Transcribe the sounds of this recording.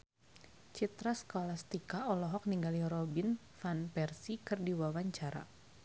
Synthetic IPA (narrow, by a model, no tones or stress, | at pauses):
t͡ʃit̪ɾaskolast̪ikaɔlɔɦɔk̚niŋɡaliɾɔbin | fanpɛrsikɨrdiwawaɲt͡ʃaɾa̰